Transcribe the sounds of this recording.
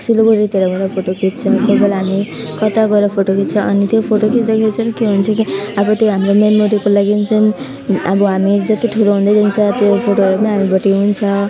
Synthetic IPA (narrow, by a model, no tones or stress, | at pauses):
siloboɾit̪eɾʌbʌɾapʰoʈokit̪̚t͡sʰʌkobʌlɦami | kʌt̪aɡʌɾʌpʰoʈokit̪̚t͡sʰʌʔʌnit̪jopʰoʈokitd̪ʌkʰit͡sʰʌɾʌkeɦunt͡sʰʌkiʌbʌt̪joɦamromenmoɾikolaɡint͡sʰʌn | ʌbʌɦamid͡zʌt̪iʈʰuloɦũnd̪ajd͡zʱant͡sʰʌt̪jopʰoʈoɦʌɾupʌniɦamibʌʈiɦunt͡sʰʌ